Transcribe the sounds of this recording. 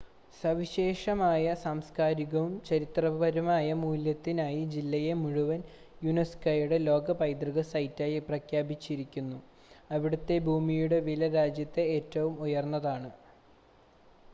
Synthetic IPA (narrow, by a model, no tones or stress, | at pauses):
sɐʋiɕe̞ːʂɐmaːjɐsaːmskaːɾiɣɐʋumt͡ɕɐɾit̪rɐbɐɾumaːjɐmuːljɐt̪ːinaːjid͡ʑilːɐje̞muɻuʋɐn | juneskɐjuɽelo̞ːɡɐpɐjd̪riɣɐsɐjtːaːjiprɐkʰjaːbit͡ɕːiɾikʲːunːu | ɐʋiɽut̪ːe̞bʱuːmijuɽe̞ʋilɐɾaːd͡ʑjɐt̪ːe̞eːtːɐʋumujɐrnːɐðaːɳɨ